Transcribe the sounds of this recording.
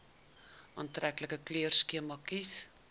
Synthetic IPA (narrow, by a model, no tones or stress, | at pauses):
ʔɑːntrækləkəkløərskiəmɑkis